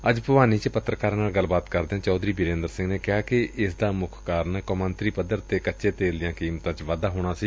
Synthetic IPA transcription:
əd͡ʒpəʋaːniːt͡ʃpət̪ːɾəkaːɾnaːlɡəlbaːt̪kəɾd̪eãːt͡ʃɔːd̪ɾiːbɪɾẽːnd̪əɾsɪ̃ŋɡneːkɪaːkɪʔɪsd̪aːmʊkʰkaːɾənkomə̃nt̪ɾiːpəd̪əɾt̪eːkətːʃeːt̪eːld̪ɪjãːkiːmt̪ãːt͡ʃʋad̪aːɦoːɽ̃aːsiː

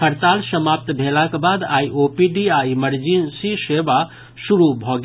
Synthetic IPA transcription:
kʰəɾt̪alsəmap̚t̪bʱelakbad̪aiʔopiɖiaiməɾd͡ʒinsiseba | suɾubʱɔɡ

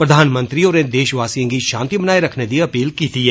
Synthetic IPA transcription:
pɾɐd̪ʱaːnmə̃nt̪ɾioːned̪eːʃʋaːsijõkiʃãːnt̪ibɐnaːeɾɐkʰned̪iɐpiːlkiːt̪ʰiɦɛː

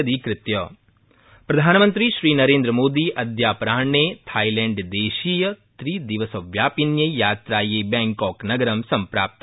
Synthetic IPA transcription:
d̪iːkɾɪt̪jɐː | pɾɐd̪ʱaːnmə̃nt̪ɾiːʃɾiːnɐɾẽːnd̪ɾəmoːd̪iːʔɐd̪jaːpɾaːɳeːt̪ʰaːilɛ̃ɳɖd̪eːʃiːjət̪ɾiːd̪ɪʋəsɐʋjaːpinjəjaːt̪ɾaːjeːbɛ̃ːŋkɔːknɐɡəɾɐmsɐmpɾa̰ːp̚t̪

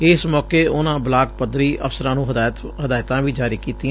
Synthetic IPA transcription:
ɪsmɔːkeːʊnãːblaːkpəd̪ɾiːʔə̰fsəɾãːnũːɦt̪ɦəd̪aːɪt̪ãːʋiːd͡ʒaːɾiːkiːt̪iːɛ̃

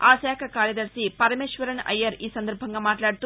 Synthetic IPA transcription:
aːsaːkʰɐkaːɾjɐd̪ɐɾsipɐɾɐmeːʃʋɐɾɐnɐ̰jːɐɾiːsɐnd̪ɐɾbʱɐŋɡaːmaːʈlaːɽut̪u

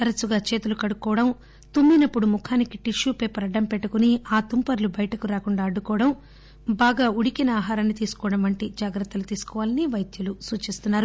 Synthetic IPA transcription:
ɐɾɐsuɡaːt͡ʃeːt̪ulukɐɽukɔːɐɽɐm | t̪umːinɐpːuɽumukʰaːnikiʈiʂuːpeːpɐɾɐɖːɐmpeʈːukuniaːt̪umpɐɾlubɐjɐʈɐkuɾaːkuɳɖaːɐɖːukɔːʋɐɽɐm | baːɡaːuɽikinɐaːɦaːɾɐnːit̪iːsu̥kɔːɽɐmʋɐɳʈid͡ʒaːɡɾɐt̪ːɐlut̪iːsu̥kɔːʋaːlɐniʋɐjd̪julusuːt͡ʃist̪unːaːɾu

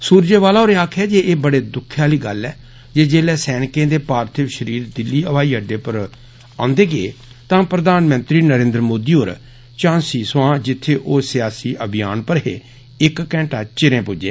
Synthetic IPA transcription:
suːɾd͡ʒeːʋaːlaːɦoːɾeːaːkʰɛːd͡ʒeːʔeːbəɽeːd̪ʊkʰːjaːliːɡəlːɛː | d͡ʒeːd͡ʒeːlɛːsɛːnkẽːd̪eːpaːɾt̪ʰɪʋʃəɾiːɾd̪ɪlːiːəʋaːiːəɖeːpəɾ | ãːnd̪eːɡeḛː | t̪ãːpɾəd̪aːnmə̃nt̪ɾiːnəɾẽːnd̪ɾəmoːd̪iːɦoːɾ | t͡ʃãːnsiːswãːd͡ʒɪt̪ʰːeːʔoːsɪjaːsiːʔəbɪjaːnpəɾɦḛː | ɪkːɛ̃ːɳʈaːt͡ʃɪɾẽːpʊd͡ʒḛː

